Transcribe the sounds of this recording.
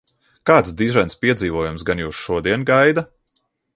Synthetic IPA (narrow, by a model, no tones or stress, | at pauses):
kaːt̪sd̪iʒɛjnspiɛd̪ziːvɔɔjumsɡanjuːsʃuɔd̪iɛnɡajd̪a